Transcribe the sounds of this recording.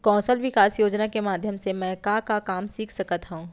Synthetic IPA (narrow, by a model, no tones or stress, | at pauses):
kɔ̃ːsəlʋɪkaːsjoːd͡ʒnakemaːd̪ʱjəmsemɛ̃ːkakakaːmsiːkʰsɐkət̪ɦũũː